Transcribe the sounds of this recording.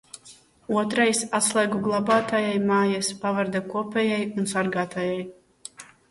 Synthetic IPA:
uɔt̪ɾajsat̪slˠɛɡuɡlˠabaːt̪ajajmaːjaspavaɾd̪akuɔpʲɛjajunsaɾɡaːt̪ajaj

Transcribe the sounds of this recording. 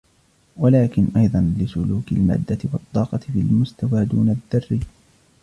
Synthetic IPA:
walaːkɪnʔɑjd̪ˤɑnlɪsʊluːkɪlma̰ːd̪ːat̪ɪwɑt̪ˤːɑːqɑt̪ɪfilmʊst̪awaːd̪uːnad̪ːɑrːi

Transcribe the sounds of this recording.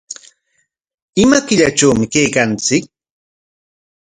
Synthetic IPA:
ɪmakɪʎaʈ͡ʂawmɪkejkant͡sɪk̚

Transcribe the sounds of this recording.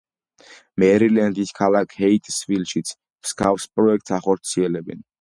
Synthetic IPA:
mɛɾilɛnd̪iskʰalakʰhɛit̪ʼsvilʃit̪sʰ | m̥skʰavspʼɾɔɛk̚ʰt̪ʼsaχɔɾt̪sʰiɛlɛbɛn

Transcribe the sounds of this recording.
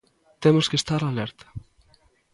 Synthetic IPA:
t̪emoskest̪aɾalɛɾt̪ɐ̥

